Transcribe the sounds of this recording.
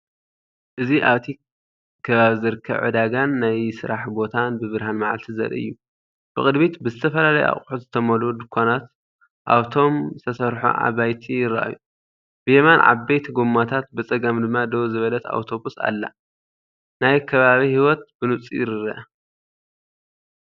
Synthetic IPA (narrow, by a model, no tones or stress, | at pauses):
ʔɨziʔa̰βt̪ʰi | kʰɐβaβizɨɾɨkʰːɐβʕɨ̰d̪aɡanːajsɨɾaħbo̞t̪ʰanbɨβɨɾɦanmaʕa̰lt̪ʰizɐ̰ɾɨ̰jːu | b̥ɨxʼɨd̪bit̪bɨzɨt̪ʰɐfɐlalɐja̰χʼħut̪zɨt̪ʰɐmɐlod̪ɨkʰʷːanat̪ | ʔa̰βt̪ʰo̞mzɨt̪ʰɐsɐɾħo̰ʕa̰βajt̪ʰijɪɾa̰ʔa̰ju | b̥ɨjemanʕa̰bejt̪ʰɡomːat̪ʰat̪̚bɨt͡sʼɐɡɐmd̪ɨmːad̪owzɨβɐlɐt̪a̰wt̪ʰo̞βusa̰lːa̰ | najkʰɐβaβihiwɔt̪̚bɨnɨt͡sʼḭjɪɾɨɾɐʔ